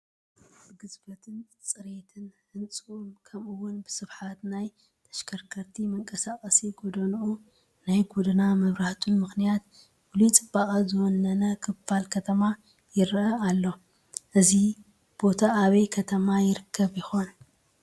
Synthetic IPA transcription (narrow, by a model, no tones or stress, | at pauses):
b̥ɨɡɨzbɐt̪ʰɨn | t͡sʼɨɾet̪ʰɨnhɨnt͡sʼɨumkʰɐmʔɨwːʊnbɨsɨβħat̪naj | t̪ʰɐ̥ʃkʰɐɾkʰɐɾt̪ʰimɐŋkʼɐsakʼɐsiɡod̪ɐnuʔu | najɡod̪ɨnamɐβɾaht̪ʰunmɨxnijat̪̚ | wulit͡sʼɨbakʼɐzɨwɔnːɐnɐkʰɨbalkʰɐt̪ʰɐma | jɪɾɐalːo̞ | ʔɨzi | b̥o̞t̪ʰaːβɐjkʰɐt̪ʰɐmajɪɾɨkʰːɐβjɪxo̞n